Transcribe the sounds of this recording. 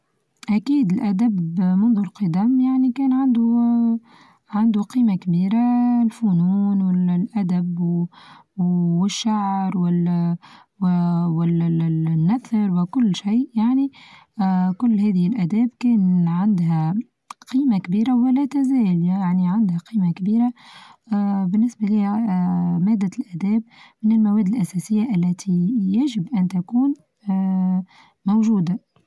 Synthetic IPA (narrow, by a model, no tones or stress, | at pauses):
ʔækiːd̪ɪlʔæd̪æbmʊnðʊlqɨd̪æmjaʕnikɛːnʕand̪u | ʕand̪uqiːmakbiːɾalfʊnuːnwɪllʔæd̪æb | wɪʃːaʕɾwɪ | wwɪlnːæθɑɾwɪkʊlːʃiːʔjaʕni | kʊlːɦɛːðɪhɪlʔæd̪ɛːbkɛːnʕɪnd̪ɦæ | qiːmakbiːɾawɪlɛːt̪æzɛːljaaʕniʕand̪haqiːmakbiːɾa | bɪnːɪsbaliːhæmæːd̪ːalʔæd̪ɛːbmɪnɪlmawɛːd̪ɪlʔæsɛsɪjːaʔælːæt̪ʰijæʒɪbʔænt̪akuːn | mowʒuːd̪a